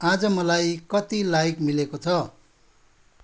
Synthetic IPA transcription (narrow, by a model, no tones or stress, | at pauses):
ad͡zʌmʌlajkʌt̪ilajikmilekot͡sʰʌ